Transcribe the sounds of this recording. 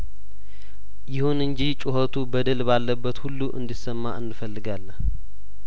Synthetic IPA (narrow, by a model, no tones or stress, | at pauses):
jɪhunɨɲd͡ʒit͡ʃʼʊɦət̪ʰubəd̪əlbalːəbːət̪hulːuʔɨ̰nd̪isəmːa̰ʔɨnːɨfəlːɨɡalː